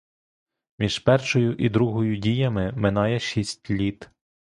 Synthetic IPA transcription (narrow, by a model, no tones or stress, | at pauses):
mʲiʒ̥pɛrʃɔjʊʔid̪ɾuɦɔjʊdʲijɐmɪmɪnɑjɛʃʲisʲtʲlʲit̪